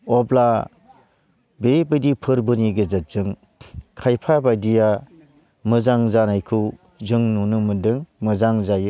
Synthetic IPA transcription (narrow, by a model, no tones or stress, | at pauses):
ɔbla | bebɯdipʰɯɾbɯniɡɯzat̚z̥ɯŋ | kʰajpʰabajdija | mɯzaŋzanajkʰɯw | zɯŋnunɯmɯdɯŋmɯzaŋzajɯ